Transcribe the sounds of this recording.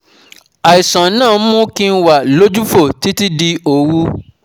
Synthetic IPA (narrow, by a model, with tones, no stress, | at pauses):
a˨i˨sã˨˦nãː˦˨˦mũ˦kĩ˧n̩˦wa˨lo˦d͡ʒu˦fo˦˨ti˨˦ti˦di˧o˨wu˦